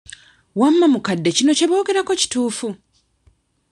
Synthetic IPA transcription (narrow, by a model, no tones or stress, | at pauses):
wamːamukadːe̞cino̞ce̞βo̞ːɡe̞ɾako̞ci̥tuːfu